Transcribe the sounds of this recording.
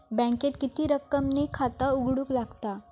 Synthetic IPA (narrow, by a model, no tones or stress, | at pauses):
bɛ̃ket̪kit̪iːɾəkəmnikʰat̪auɡɽuːklaɡt̪a